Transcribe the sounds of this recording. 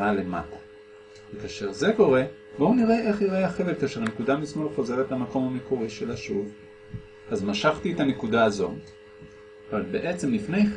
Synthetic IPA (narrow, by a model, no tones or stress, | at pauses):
alema̰ko̥ | vekaːʃeʁze̞ko̞ʁe̞ | bo̞uniʁeʔe̞χiʁeaχevetkaːʃeʁnekudamismolχoze̞ʁetlamako̞mamikuʁiʃelaʃuv | azmaʃaχt̪ietanekudaːzo̞̰ | avalbe̞ʔet͡se̞mlifne̞j